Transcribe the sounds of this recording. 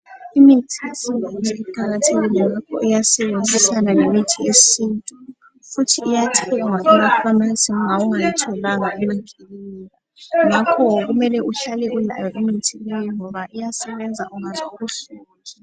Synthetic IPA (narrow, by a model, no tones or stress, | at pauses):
imitʰiesinʱantʼipʰaɣatʰeɣilɛŋakʰɔ̰ʔɛjasɛβend͡zʱisananemitʰiesintʼu | futʰiːjatʰɛŋwaʔɛɣafamasimuŋauŋajatʰɔlaŋaɛmaŋɡʱelini | ŋakʰɔɣumɛlɛʔuɬalɛɣula̰jɔʔimitʰilejiŋɔβaʔijasɛβɛnd͡zʱa̰ʔuŋakʰuɬu